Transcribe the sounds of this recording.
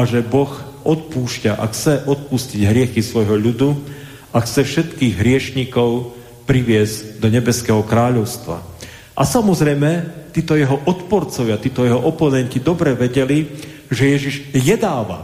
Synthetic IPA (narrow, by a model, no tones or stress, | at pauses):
aʒɛbɔx | ɔt̪̚puːʃcaʔa̰xt͡sɛʔɔt̪̚pusciɟɦɾɪɛxisʋɔjɦɔʎud̪u | axt͡sɛfʃɛt̪kiːɣɦɾɪɛʃɲikɔʊ | pɾiʋɪɛzɟd̪ɔɲɛbɛskɛɦɔkɾaːʎɔʊst̪ʋa̰ | ʔasamɔzɾɛjmɛt̪iːt̪ɔjɛɦɔʔɔt̪pɔɾt͡sɔʋɪat̪iːt̪ɔjɛɦɔʔɔpɔnɛɲcid̪ɔbɾɛʋɛɟɛli | ʒɛjɛʒiʒjɛd̪aːʋa̰